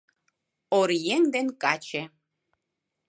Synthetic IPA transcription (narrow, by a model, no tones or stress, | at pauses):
oɾjeŋd̪enkʼat͡ʃʰe